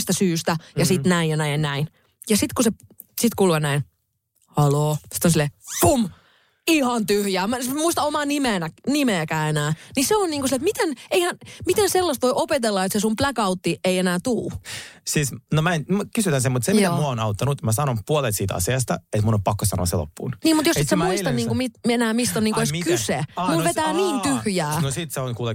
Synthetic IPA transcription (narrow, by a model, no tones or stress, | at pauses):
st̪æsyːst̪æjɑsit̪næijjɑnæinnæin | jɑsit̪kuse | sit̪kulʋɑnæin | hɑloːsi̥t̪ːonsilːepum | ihɑnt̪yhjæːmmuist̪ɑomɑːnimenænimeːkæːenæːniseonniːŋkusilːet̪mit̪eneihænmit̪enselːɑst̪ʋoiʔopet̪elːɑet̪sesumplækɑut̪ːieienæːt̪uːsisnomæenmkysyt̪ænsemut̪semit̪ːæmuæonɑut̪ːɑnut̪mæsɑnompuolet̪siːt̪ɑ̰siɑst̪ɑet̪munompɑkːosɑ̰no̰ɑ̰sḛlo̰pːṵːnniːmut̪jossit̪semmuist̪ɑnniːŋkkumit̪enæːmist̪oniːkoeskysemulʋet̪æːniːnt̪yhjæːnosit̪seonkuːle